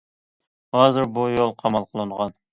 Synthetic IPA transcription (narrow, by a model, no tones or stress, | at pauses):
hɑːzɨɾbujolˠqʰɑmɑlˠqʰəlˠɨɴʁɑn